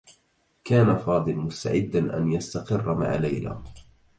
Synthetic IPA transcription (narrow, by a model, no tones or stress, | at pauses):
kaːnafɑːd̪ˤɨlmʊst̪a̰ʕɪd̪ːanʔa̰njast̪aqɨrːama̰ʕalajla̰ː